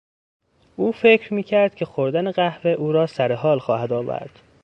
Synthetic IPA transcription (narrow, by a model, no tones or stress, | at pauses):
ʔuːfe̞cʰɾmiːcʰæɾd̪̥cʰe̞xoɾd̪æneɣæhveʔuːɾɒːsæɾe̞ɦɒːlxɒːhæd̪ɒːvæ̰ɾd̪̥